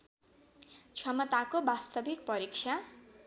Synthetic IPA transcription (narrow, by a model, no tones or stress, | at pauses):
t͡sʰwamʌt̪akobast̪ʌbʱik̚pʌɾikt͡ʃʰa